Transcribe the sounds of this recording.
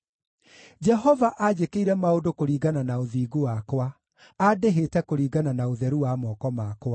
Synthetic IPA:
d͡ʒɛɦɔvaʔad͡ʑekeiɾɛmaodokoɾiːɡananaoðiːɡowakwa | adeɦetɛkoɾiːɡananaoðɛɾuwamɔːkɔmakwa

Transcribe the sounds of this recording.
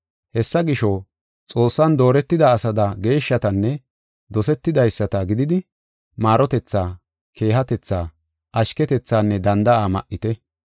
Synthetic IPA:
hɛsːɐɡɪʃɔ | t͡sʼo̞ːsːɐnd̪o̞ːɾɛt̪ːɪd̪ɐːsɐd̪ɐɡe̞ːʃːɐt̪ɐnːɛ | d̪ɔsɛt̪ːɪd̪ɐjsːɐt̪ɐɡɪd̪ɪd̪ɪ | maːɾɔt̪ɛt͡sːaː | kʰe̞ːɦɐt̪ɛt͡sːaː | ʔɐʃkɛt̪ɛt͡sːaːnːɛd̪ɐnd̪ɐaːmɐʔɪt̪ɛ

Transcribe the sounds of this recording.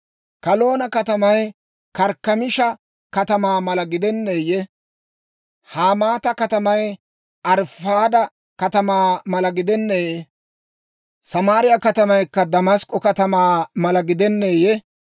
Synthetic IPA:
kɐlo̞ːnɐkɐt̪ɐmɐj | kɐɾkːɐmɪʃɐ | kɐt̪ɐmaːmɐlɐɡɪd̪ɛnːeːjɛ | haːmaːt̪ɐkɐt̪ɐmɐj | ʔɐɾfaːd̪ɐ | kɐt̪ɐmaːmɐlɐɡɪd̪ɛnːeː | sɐmaːɾɪjɐkɐt̪ɐmɐjkːɐd̪ɐmɐskʼɔkɐt̪ɐmaːmɐlɐɡɪd̪ɛnːeːjɛ

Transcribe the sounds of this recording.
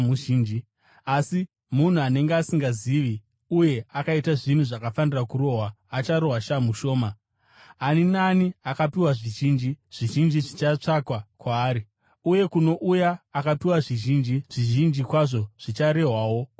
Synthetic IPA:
muʒiːnd͡ʒi | asi | mun̤uane̞ŋɡeasiŋɡaziʋi | uje̞akaitaʐin̤uʐakafanirakuɾo̞ɦwaːt͡ʃaɾo̞ɦwaʃamuʃo̞ːma | aninaniakapiwaʐiʒiːnd͡ʒiʐ̥iʒind͡ʒiʐit͡ʃat͡ʂakwakwaːɾi | uje̞kuno̞ʔujaːkapiwaʐiʒind͡ʒiʐ̥iʒind͡ʒikwaʐo̞ʐ̥it͡ʃaɾe̞ɦwawo̞

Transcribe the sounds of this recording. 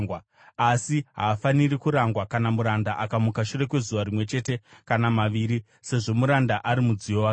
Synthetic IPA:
ŋwa | asiɦaːfanirikuɾaŋɡwakanamuɾandaʔakamukaʃure̞kwe̞zuʋaɾimwe̞t͡ʃe̞te̞kanamaʋiːɾi | se̞ʐo̞muɾandaʔaɾimud͡zijowa

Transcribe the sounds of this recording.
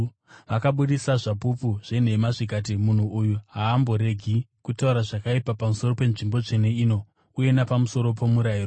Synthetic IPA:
ʋakaɓuɗisaʐapupuʐ̥e̞n̤e̞maʐikat̬imun̤uujuɦaːmboɾe̞ɡʱikutauɾaʐakaipapamuso̞ro̞pe̞nʐimbo̞t͡ʂene̞iːno̞ | uje̞napamuso̞ɾo̞po̞muɾairo

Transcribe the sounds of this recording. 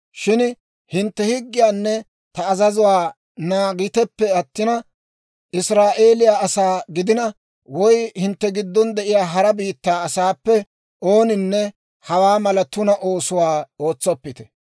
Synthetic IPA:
ʃɪn | hɪnt̪ːɛhɪɡːɪjaːnːɛ | t̪ɐːzɐzʊwaː | naːɡɪt̪ɛpːɛɐt̪ːɪnɐ | ʔɪsɾaːʔe̞ːlɪjaːɐsaːɡɪd̪ɪnɐ | wɔjhɪnt̪ːɛɡɪd̪ːɔnd̪ɛʔɪjaːɦɐɾɐbiːt̪ːaːɐsaːpːɛ | o̞ːnɪnːɛ | hɐwaːmɐlɐt̪ʊnɐʔo̞ːsʊwaːo̞ːt͡sːɔpːɪt̪ɛ̥

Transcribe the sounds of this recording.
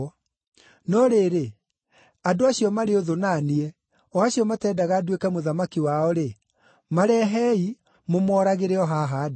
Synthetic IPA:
nɔɾeːɾe | adoaɕiɔmaɾeoðonaːniɛ | ɔaɕiɔmatɛːdaɣadwekɛmoðamakiwaɔɾe | maɾɛɦɛi | momɔːɾaɣeɾeɔɦaɦadi

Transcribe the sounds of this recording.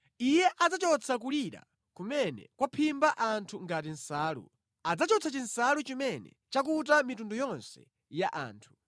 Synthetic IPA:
ijɛʔad͡zat͡ʃɔt͡sʰak̬uliɾa̰ | kumɛnɛ̰kwapʰimbaʔantʰuŋɡat̬in̩saːlṵ | ad͡zat͡ʃɔt͡sʰat͡ʃinsalut͡ʃimɛnɛ̰t͡ʃak̬ut̬amitundɔjɔnsɛ̰ | jaʔa̰ːntʰu̥

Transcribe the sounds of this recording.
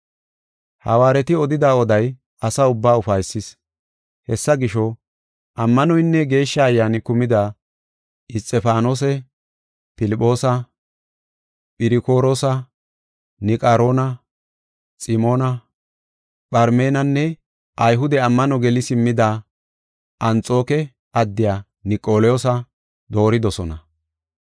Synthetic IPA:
hɐ̰waːɾɛt̪ɪɔd̪ɪd̪aːɔd̪ɐj | ɐsaʊbːaːʊfɐjsːɪs | hɛsːɐɡɪʃɔ | ʔɐmːɐnɔjnːɛɡe̞ːʃːɐːjːaːnɪkʊmɪd̪a | ʔɪst͡sʼːɛfaːno̞ːs̬ɛ | pɪlɪpʼːo̞ːsɐ | pʼɪɾɪko̞ːɾoːsɐ | nɪkʼaɾo̞ːnɐ | sʼɪmo̞ːnɐ | pʼɐɾme̞ːnɐnːɛ | ʔɐjɦʊd̪ɛɐmːɐnɔɡɛlɪsɪmːɪd̪a | ʔɐnt͡sʼo̞ːkɛ | ʔɐd̪ːɪjaː | nɪkʼːo̞ːlɛjosɐ | d̪o̞ːɾɪd̪ɔsɔnɐ

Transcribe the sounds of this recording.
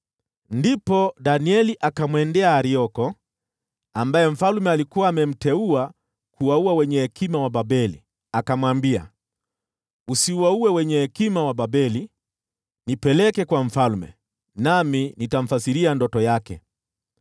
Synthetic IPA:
ndipɔdaniɛliʔakamwɛndɛaːɾiɔkɔ | ambajɛm̩falmɛalikuwaːmɛm̩tɛua | kuwauawɛɲɛhɛkimawaɓabɛlḭ | akamwambia̰ | usiwauwɛwɛɲɛhɛkimawaɓabɛli | nipɛlɛkɛkwaɱ̩falmɛ̰ | naminitam̩fasiɾiandɔtɔjakɛ̰

